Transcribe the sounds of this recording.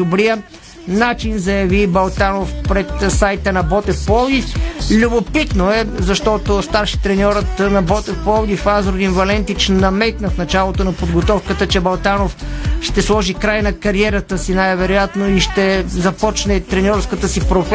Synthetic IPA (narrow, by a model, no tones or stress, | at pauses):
obɾijə | nat͡ʃinzɐjɐvibɐlˠt̪anofpɾɛt̪sajt̪ənɐbɔt̪ɛfpɔlˠd̪iflʲubopit̪noɛzɐʃt̪ɔt̪ost̪aɾʃi̥t̪ɾɛnʲɔɾət̪nɐbɔt̪ɛfpɔlˠd̪ifazɾod̪invɐlɛnt̪it͡ʃnɐmɛt̪nɐfnɐt͡ʃalˠot̪onɐpod̪ɡot̪ɔfkət̪ət͡ʃɛbɐlˠt̪anofʃt̪ɛslˠɔʒikɾajnɐkɐɾiɛɾət̪əsinajvɛɾojat̪noiʃt̪ɛzɐpɔt͡ʃnɛt̪ɾɛnʲɔɾfskət̪əsipɾof